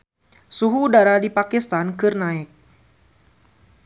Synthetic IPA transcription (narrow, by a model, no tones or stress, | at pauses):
suɦudaɾadipakist̪ankɨrnaɪk̚